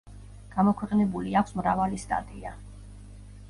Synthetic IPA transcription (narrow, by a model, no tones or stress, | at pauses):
ɡ̥amɔkʰwɛqʼnɛbuliakʷʰsmɾavalist̪ʼa̰t̪ʼia